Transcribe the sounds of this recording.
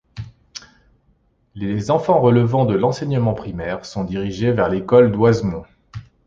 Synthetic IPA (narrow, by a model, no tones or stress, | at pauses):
lezɑ̃fɑ̃ʁələvɑ̃d̪əlɑ̃sɛɲəmɑ̃pχimɛʁsɔ̃d̪iʁiʒevɛʁlekɔld̪wazmɔ̃